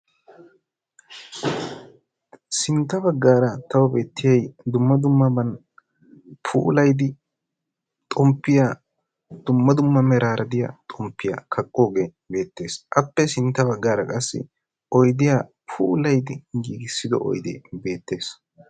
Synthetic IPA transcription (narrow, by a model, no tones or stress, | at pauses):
sɪnt̪ːɐbɐɡːaːɾɐt̪ɐwɐbe̞ːt̪ʰːɪjɐjd̪ʊmːɐd̪ʊmːɐbɐn | pʰṵːlɐjd̪ɪ | t̪ʼɔmpːɪjaː | d̪̥ʊmːɐd̪ʊmːɐmɛɾaːɾɐd̪ɪja̰ːt̪ʼɔmpːɪja̰kʰɐkʼːo̞ːɡe | be̞ːt̪ːe̞ːsʔɐpːɛsɪnt̪ːɐβɐɡːaːɾɐkʼɐsːɪ̰ | ɔjd̪ɪjaː | pʰuːlɐjd̪ɪɡiːɡɪsːɪd̪ɔ̰ʔɔ̰jd̪ɪ̰be̞ːt̪ːe̞ːs